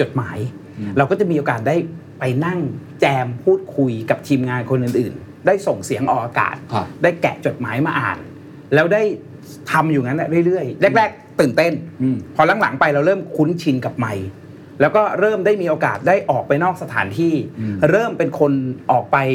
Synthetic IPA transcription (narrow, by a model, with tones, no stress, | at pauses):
t͡ɕo˨˩t̪̚ma̰ː˩˦j | ɾa˧wkɔː˥˩t͡ɕa˨˩miː˧ʔoː˧kaː˨˩t̪̚daː˥˩j | pa˧jna˥˩ŋt͡ɕɛː˧mpʰuː˥˩t̪̚kʰu˧jka˨˩p̚t̪ʰiː˧mŋaː˧nkʰo˧nʔɯː˨˩nʔɯː˨˩n | daː˥˩jso˨˩ŋsi˨˩˦əŋʔɔː˨˩ʔaː˧ka̰ː˨˩t̪̚daː˥˩jkɛ̰˨˩ʔt͡ɕo˨˩t̪̚maː˩˦jmaː˧ʔa̰ː˨˩n | lɛː˦˥wdaː˥˩j | t̪ʰa˧mjuː˨˩ŋa˦˥nːʔa˨˧˩ɾɯ˥˩˨jɾɯ˥˩əjle˥˩k̚ɾɛː˥˩k̚t̪ɯː˨˩nt̪e˥˩npʰɔː˧la˨˦ŋla̰˩˦ŋpa˧jɾa˧wɾɤː˥˩mkʰu˦˥nt͡ɕʰi˧nka˨˩p̚ma˧j | lɛ˦˥wkɔː˥˩ɾɤː˥˩mdaː˥˩jmiː˧ʔoː˧kaː˨˩t̪̚daː˥˩jʔɔː˨˩k̚pa˧jnɔː˥˩k̚sa˧t̪ʰaː˩˦nt̪ʰiː˥˩ɾɤː˥˩mpe˧nkʰo˧nʔɔː˨˩k̚pa˧j